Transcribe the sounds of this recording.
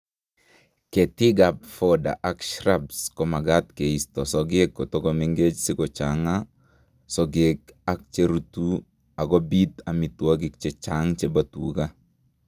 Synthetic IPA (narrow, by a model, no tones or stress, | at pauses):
ket̪iɡapfɔda̰ʔakʃrabskɔmaɡat̪keistɔsɔɡekːɔtɔkɔmeŋɡet͡ʃsɪkɔt͡ʃaŋa | sɔɡekak̚t͡ʃeɾutu | akɔbit̪amitwaɡ̬ik̚t͡ʃet͡ʃaŋt͡ʃebatṵka